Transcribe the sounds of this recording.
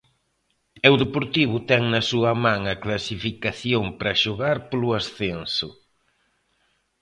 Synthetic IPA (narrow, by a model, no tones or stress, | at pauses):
ewðepoɾt̪iβʊt̪ɛŋnɐsuɐmãŋɐklasifikaθjompɾɐʃoɣaɾpolʊasθensʊ